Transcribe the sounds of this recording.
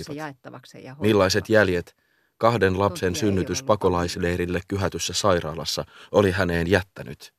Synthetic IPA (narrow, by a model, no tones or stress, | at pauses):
ɑ | milːɑjse̞t̪jælje̞t̪ | kɑhde̞nlɑpse̞nsynːyt̪yspɑko̞lɑjsle̞ːɾilːe̞kkyɦæt̪ysːæsɑjɾɑ̰ːlɑ̰sːɑo̞liɦæne̞ːnjæt̪ːæny̰t̪